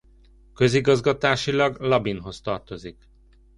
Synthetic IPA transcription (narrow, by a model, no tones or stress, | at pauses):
kø̞ziɡɒzɡɒt̪aːʃilɒɡlɒbinɦo̞st̪ɒrt̪o̞zik